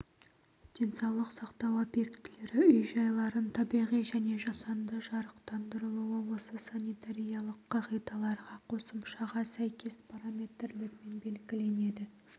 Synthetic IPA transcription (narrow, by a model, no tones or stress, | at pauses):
d̪̥ʲe̞nsɑwlˠəqsɑqt̪ɑwapjekt̪ɪle̞ɾɪʏjʒɑjlˠɑɾənt̪ʰɑbiʁijʒæne̞ʒɑsɑnd̪əʒɑɾəqt̪ɑnd̪əɾəlˠuəwo̞səsanʲit̪aɾʲijɑlˠəqʰːɑʁijd̪ɑlˠɑɾʁɑqʰo̞səmʃɑʁɑsæjkʲʰe̞spʰaɾamʲe̞t̪rle̞ɾme̞nbe̞lɡʲɪle̞ne̞d̪ɪ